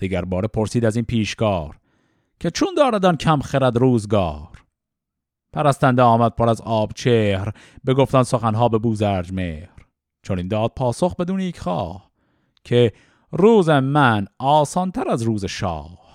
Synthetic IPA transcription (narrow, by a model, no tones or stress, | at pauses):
d̪̥iɟæɾbɒːɾepʰoɾsiːd̪æziːnpʰiːʃkɒːɾ | kʰe̞t͡ʃʰund̪ɒːɾæd̪æncʰæmχeɾæd̪ɾuːzɡɒːɾ | pʰæɾæst̪ænd̪eɒːmæd̪̥̚pʰoɾæzɒːbt͡ʃʰeːhɾ | be̞ɡoft̪ænsoxænɦɑːbe̞buːzæɾd͡ʒmeːhɾ | t͡ʃʰonind̪ɒːd̪̥̚pʰɒːsoxbe̞d̪uːnejecʰχɑ̰ːh | cʰe | ɾuːzemænɒːsɒːnt̪ʰæɾæzɾuːzeʃɒ̰ːh